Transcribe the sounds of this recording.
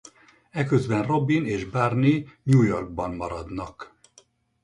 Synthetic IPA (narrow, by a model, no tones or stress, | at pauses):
ɛkøzbɛnro̞bineːʒbarniɲuːjo̞rɡ̚bɒnmɒɾɒd̪nɒk